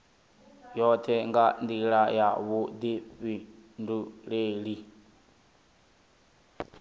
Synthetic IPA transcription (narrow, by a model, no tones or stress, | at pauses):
jɔt̪ʰɛŋɡand̪iɺajaβud̪iɸinduɺeːɺi